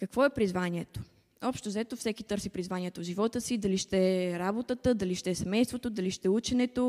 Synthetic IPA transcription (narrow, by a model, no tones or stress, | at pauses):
kɐkvɔɛpɾizvaniɛt̪o̥ | ɔpʃt̪ozɛt̪ofsɛkit̪ɤɾsipɾizvaniɛt̪oʒivɔt̪əsid̪ɐliʃt̪ɛɾabot̪ət̪əd̪ɐliʃt̪ɛsɛmɛjst̪vot̪od̪ɐliʃt̪ɛut͡ʃɛnɛt̪o